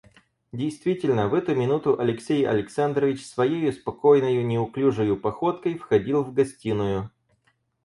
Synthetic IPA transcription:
dʲɪjst̪vʲitʲɪlʲnəvɛt̪ʊmʲɪnut̪ʊʔɐlʲɪksʲejɐ̰lʲɪksand̪rəvʲɪt͡ɕsvɐjejʊspɐko̞jnəjʊnʲɪʊklʲuʐɨjʊpɐxo̞t̪kəjfxɐdʲilˠvɡɐsʲtʲinʊjʊ

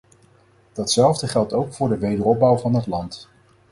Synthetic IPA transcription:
d̥ɑtsɛlˠvdəχɛlˠtowkfʊːɹdəʋejdərɔp̚bɑwvɑnɦətlɑnt

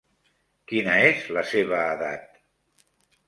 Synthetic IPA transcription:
kinəezləseβəːða̰t̪̚

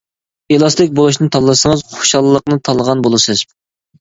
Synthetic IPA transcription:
elˠɑst̪ɪk̚ʲbolˠuʃnɨt̪ʰɑlˠːsəŋəzχo̥ʃɑlˠːəqnɨt̪ʰɑlˠəʁɑnbolˠɨsɨz̥

